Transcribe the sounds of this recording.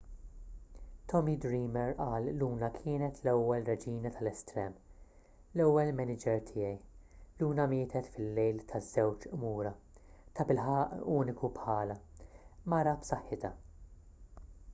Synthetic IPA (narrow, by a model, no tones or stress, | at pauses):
t̪ʰɔmid̪ɾiːmɛɾʔɐːlːuːnɐkʰɪːnɛt̪lɛwːɛlrɛd͡ʒiːnɐt̪ʰɐlɛst̪ɾɛːm | lɛwːɛlmɛnɪd͡ʒɛɾt̪ʰɪːjɛjluːnɐmɪːt̪ʰɛt̪fɪlːɛjlt̪ʰɐzːɛwt͡ʃʔmuːɾɐ | t̪ɐbɪlħɐʔuːnɪkupħɐːlɐmɐɾɐbsɐħːɪt̪ɐ